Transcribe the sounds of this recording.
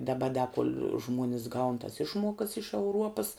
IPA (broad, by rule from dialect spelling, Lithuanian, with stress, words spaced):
dɐˈbɐ dɐ koːlʲ ˈʒmuɔnʲɪs ɡɐʊn tɐs ˈɪʃmuɔkɐs ɪʃ ɛʊˈruɔpɐs